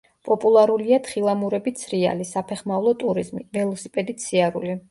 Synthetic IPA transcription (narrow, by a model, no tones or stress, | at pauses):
pʼɔpʼulˠaɾuliat̪ʰχilˠamuɾɛbit̪sʰɾia̰lisapʰɛχmavlˠɔt̪ʼuɾizmivɛlˠɔsipʼɛd̪it̪sʰiaɾṵli